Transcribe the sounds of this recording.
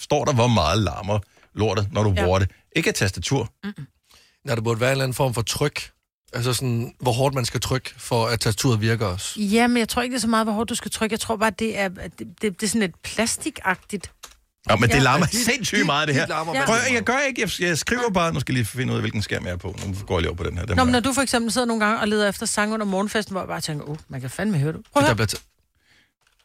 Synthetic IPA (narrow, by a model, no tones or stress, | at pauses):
sd̥ɒ̰ːɾɑ̈ʋɒmɑ̈ːð̩ˠlɑ̰̈ːmɐ | lo̝ɐ̰dð̩ˠnɒɾ̥uboːɐɾe | ʔe̝ɡ̥æt͡sʰæsd̥æt͡sʰuɐ̰ | næd̥eb̥uɐd̥ʋæːɐe̝nlæn̩fɒ̰mfɒ̽t͡sʰʁœɡ̥ | æls̬ɐsɔ̽nʋɒɦɒ̰ːd̥mænsɡ̥æt͡sʰʁœɡ̥fɒæt͡sʰæsd̥æt͡sʰṵɐ̰ðˠʋiɐɡ̥ɐɒsjæmenjaɪt͡sʰʁo̝ɐeɡ̥ə̥d̥esɒ̽mɑ̈ːðˠʋɒɦɔːd̥̚ːusɡ̥æt͡sʰʁœɡ̥jɑɪt͡sʰʁo̝ɐ̰b̥ɑ̈ːd̥e̝æɐd̥d̥ed̥e̝sɔnled̥̚pʰlæsd̥iɡ̥ɑ̈ɡ̥̚d̥id̥ | nɒmene̝lɑːmɐsensymɑ̈ːð̩ˠd̥eɦeɐ̰jaɪɡ̥ɶɐe̝ɡəjajasɡ̥ʁiʊ̰ɐb̥ɑ̈ːnuskɛæjliːfe̝n̰ṵð̰ˠɐʋe̝lɡ̥n̩sɡ̥æ̰ɐ̰mjɑɐpʰɔ̽nuɡ̥ɔ̰ːjlḭʊpʰɒd̥enheɐ̰̥enɒmnːɒd̥ufɒ̽eɡ̥semb̥l̩seð̰ˠɐnoːnɡ̥ɑ̈ŋəɒ̽le̝ːð̞ˠɐefd̥ɐsɑ̈ŋɔ̽n̰ɐmɒːn̩fesd̥n̩ʋɒ̰jäb̥ɑ̈ːt͡sʰeŋ̰ɡɐʔomænkʰæfænmehøɐɾ̥upʰɑbliɐ